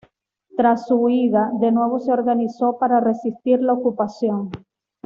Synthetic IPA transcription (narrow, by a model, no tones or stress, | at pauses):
t̪ɾasːuiðad̪e̞nwe̞β̞o̞seo̞ɾɣaniso̞paɾare̞sist̪iɾlaokupasjo̞ŋ